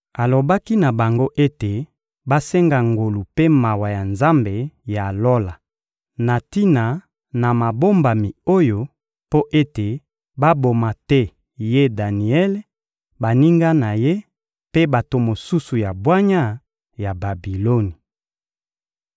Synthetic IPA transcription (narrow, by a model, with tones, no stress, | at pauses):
a˨lo˨ba˦ki˦na˨ba˨ŋɡo˦ʔe˦te˨ | ba˦sɛ˦ŋɡa˨ŋɡo˨lu˨pe˦ma˨wa˨ja˨nza˦mbe˨ja˨lo˦la˨ | na˨ti˦na˨ | na˨ma˨bo˦mba˨mi˨o˦jo˦ | po˦ʔe˦te˨ | ba˦bo˨ma˨tɛ˦ | je˦da˨ni˨ɛ˦l | ba˨ni˦ŋɡa˦na˨je˦ | pe˦ba˨to˨mo˨su˦su˨ja˨bwa˦ɲa˦ | ja˨ba˨bi˨lo˦ni˨